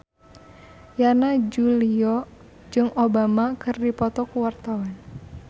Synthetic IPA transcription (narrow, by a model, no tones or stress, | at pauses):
janad͡ʒuliɔ | d͡ʒɨŋʔobamakɨrdipɔt̪ɔkuwart̪awan